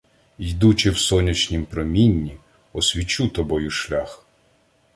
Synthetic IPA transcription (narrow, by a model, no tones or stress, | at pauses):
ijd̪ut͡ʃɪwsɔnʲit͡ʃnʲimpɾɔmʲinʲːi | ɔsʲʋʲit͡ʃut̪ɔbɔjʊʃlʲax